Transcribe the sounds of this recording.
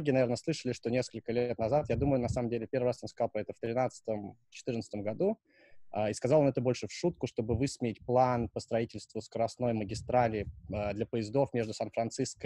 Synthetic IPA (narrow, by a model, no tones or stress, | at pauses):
oɡʲɪnɐvʲeɾnəslˠɨʂəlʲɪʂt̪o̞nʲe̞skəlʲkəlʲet̪nɐzat̪jad̪uməjʊnɐsaməmdʲelʲɪpʲe̞rvəɾasonskɐzɑlˠpɾɐɛt̪əft̪ɾʲɪnat̪sə̥t̪əmt͡ɕɪ̥t̪ɨrnət̪st̪əmɡɐd̪u | aiskazalˠonɛt̪əbo̞lʲʂɨfʂut̪kʊʂt̪o̞bɨvɨsmʲɪɪt̚ʲplˠanpəst̪ɾɐitʲɪlʲst̪vʊskəɾɐsno̞jməɡʲɪst̪ɾalʲɪːəd̪lʲɐpəɪzd̪o̞fmʲe̞ʐd̪ʊsanfɾɐnt̪sɨskə